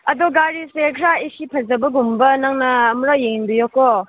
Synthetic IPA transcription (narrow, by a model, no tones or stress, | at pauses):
ɐdɔɡaɾisekʰɾaisipʰɐzɐbɐɡumbɐnaŋnɐːmɾajeŋnbujɔkɔ